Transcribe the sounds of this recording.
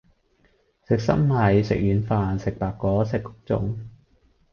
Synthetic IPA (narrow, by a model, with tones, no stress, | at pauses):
sɪ˨k̚sɐ̰˥mlɐ˨˧˥jsɪ̰˨k̚jyː˨˧nfaː˨nsɪ˨k̚paː˨kkːɔː˨˥sɪ˨kːʊ̥˥k̚t͡sʊ̰˨˧ŋ